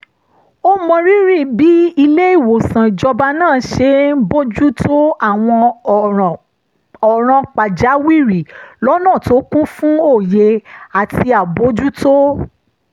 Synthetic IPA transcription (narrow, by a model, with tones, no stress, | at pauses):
o˦mɔ̃˧ɾi˦ɾi˦˨bi˨˦i˧le˦i˦˨wo˨sã˨i˨d͡ʒɔ˧ba˧nãː˦˨˦ʃe˧˦bo˦d͡ʒu˦to˦a˦˨w̃ɔ̃˧˨ | ɔ˨ɾ̃ã˧k͡pa˨d͡ʒa˨˦wi˦˨ɾi˨lɔ˦nãː˦˨to˨˦kũ˦fũ˦o˦˨je˧a˨ti˧a˨bo˨˦d͡ʒu˦to˦